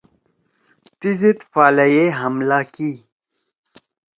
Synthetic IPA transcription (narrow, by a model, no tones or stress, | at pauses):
t̪izit̪faːlɐjeɦɐmlaːkiː